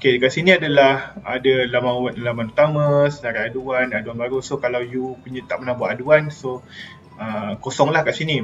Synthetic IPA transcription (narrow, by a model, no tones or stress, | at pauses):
okekaʔsinĩadalahadalamãwat̪lamanut̪amãsənaɾaaduanaduanbaɾusokalawjupuɲat̪aʔmənahbuaʔaduanso | əkosɔŋlahkaʔsinĩ